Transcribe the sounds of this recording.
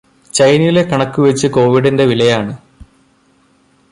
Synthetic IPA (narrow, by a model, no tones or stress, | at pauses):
t͡ɕɐjniile̞kɐɳɐkːuʋet͡ɕːɨko̞ːʋiɽinde̞ʋilɐjaːɳɨ